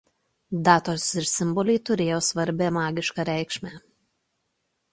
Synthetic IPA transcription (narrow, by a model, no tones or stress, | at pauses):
d̪ɑːt̪oːsɪɾsʲɪmbɔlʲɛɪt̪ʊɾʲeːjoːsʋɐɾʲbʲɛːmɑːɡʲɪʃkɑːɾʲæˑɪkʃʲmʲæ